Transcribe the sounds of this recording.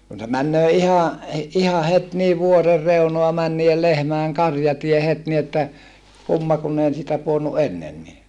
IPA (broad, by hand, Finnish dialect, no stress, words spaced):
kun se mænːøː ihɑˑʔ ihɑ het niː ʋuorer reunoɑ mæn niːel lehmæeŋ kɑrjɑtie het ni etːæ kumːɑ kunː ei siːtæ puonːu ʔenːenːi